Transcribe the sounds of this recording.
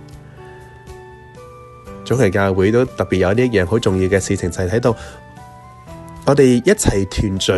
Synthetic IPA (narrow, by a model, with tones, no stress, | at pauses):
t͡sʊ˨˥ŋɐ˨˩kaː˧wwuː˨˥jt̪o˥wt̪ɐ˨k̚piː˨t̚jɐ˧niː˥jɛː˨˩ŋɦo˨˥wt͡sʊ˨ŋjiː˧wkɛː˧siː˧t͡sʰɪ˨˩ŋt͡sɐ˨jt̪ʰɐ˨˥jt̪o˧w | ŋɔː˨˧t̪e˨jjɐ˥t̚t͡sʰɐ˨˩jt̪ʰyː˨˩nt͡sɵ˨˥